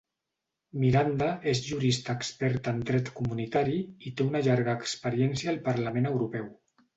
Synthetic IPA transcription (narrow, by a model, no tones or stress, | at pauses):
miɾand̪əʔezʒuɾist̪aːkspɛɾt̪ənd̪ɾɛt̪kumunit̪aɾiit̪eunəʎaɾɣəːkspəɾjɛnsjaːlˠpəɾləmenəwɾupɛw